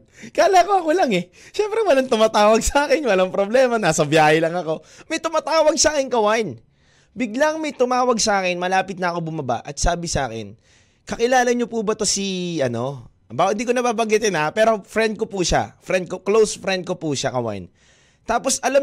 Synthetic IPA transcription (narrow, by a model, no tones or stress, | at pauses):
kaːlakoɐkolaŋɛ | ʃɛmpɾɛwɐlaŋt̪ʊmaːt̪aːwɐɡ̚sɐʔaːkɛnwɐlaŋpɾoblɛːmɐnaːsɐbjaːhɪlɐŋɐko̞ | mɐjt̪ʊmaːt̪aːwɐɡ̚saːkɪnkɐwajn | bɪɡlaŋmɐjt̪ʊmaːwɐɡsɐʔaːkɛnmɐlaːpɪt̪̚nɐʔɐko̞bʊmɐba̰ʔɐt̪̚saːbɪsɐa̰ːkɛ̰n | kɐkɪlaːlɐɲopubɐt̪o̞siɐno̞ʔɐbaɪnd̪iːkonɐbaːbɐŋɡɪt̪ɪnapɛːɾo̞fɾɛnd̪̚kopuːʃa̰fɾɛnd̪̚koklowsfɾɛnd̪̚ko̞puʃakɐwa̰jn | t̪aːpo̞sɐlam